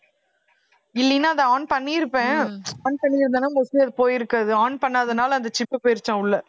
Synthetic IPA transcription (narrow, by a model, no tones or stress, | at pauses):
ɪlːinːaːɐðɐaːɳpɐɳːiɪɾɯpːẽːaːɳpɐɳːɪɪɾɯnd̪ɐnaɔsɪjɐðɯpoːjɪɾɯkːaːðɯaːɳpɐɳːaːðɐnaːlɐnd̪ɐt͡ʃɪpːɯpoːjɪɾɯt͡ʃːãːʊɭːɐ